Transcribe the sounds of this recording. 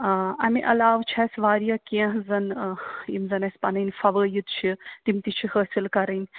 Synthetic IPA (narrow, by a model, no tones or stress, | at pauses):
ɐmḭʔɐlaːʋt͡ʃʰasʋaːɾijakẽɦzɐnimzɐnɐsʲpɐnɐjnfɐʋəːjit̪t͡ʃʰit̪imt̪it͡ʃʰihəːsilkɐɾɐnʲ